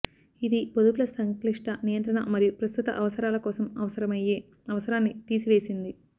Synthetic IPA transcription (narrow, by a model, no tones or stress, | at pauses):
id̪ipod̪uplɐsɐŋkliʂʈɐnijɐnt̪ɾɐɳɐ̰mɐɾijupɾɐst̪ut̪ɐ̰ʔɐʋɐsɐɾaːlɐkɔːsɐmɐʋɐsɐɾɐmɐjeː | ɐʋɐsɐɾaːnːit̪iːsiʋe̞ːsind̪i